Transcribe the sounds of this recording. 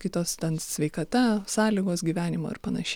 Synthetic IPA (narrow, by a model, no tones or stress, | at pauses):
kʲɪt̪oːst̪ʲɛnsʲʋʲɛɪkɐt̪ɐsɑːlʲiːɡoːsɡʲiːʋʲæːnʲɪmo̰ːɪ̰rpɐnɐʃʲ